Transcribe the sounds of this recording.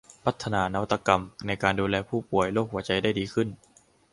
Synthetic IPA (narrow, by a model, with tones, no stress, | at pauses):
pʰa˦˥t̪ʰːa˧naː˨˧na˧wa˦t̪ːa˧ka˧mna˧jkaː˧nduː˧lɛː˧pʰuː˥˩pu˨˩əjloː˥˩k̚hu˩˦ɐt͡ɕa˧jdaː˥˩jdiː˧kʰɯ˥˩n